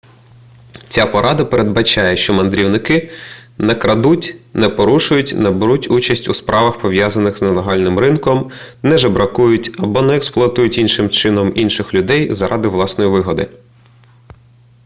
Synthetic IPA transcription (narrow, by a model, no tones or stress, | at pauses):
t͡sʲapɔɾʔɑd̪ɐpeɾed̪̚bɐt͡ʃɑjɛʃt͡ʃɔmɐnd̪ɾʲiwnɪkɪnɛkɾɐd̪utʲnɛpɔɾuʃʊjʊtʲnɛbɪɾutʲut͡ʃɐsʲtʲuspɾɑʋɐxpɔʋjazɐnɪxznɛlˠeɦɑlʲnɪmrɪnkɔm | nɛʒɛbɾɐkujʊtʲɐbɔnɛːksplˠʊɐt̪ujʊtʲinʃɪmt͡ʃɪnɔminʃɪxlʲʊd̪ɛjzɐɾʔɑd̪ɪʋlˠɑsnɔjiʋɪɦɔd̪ɪ̰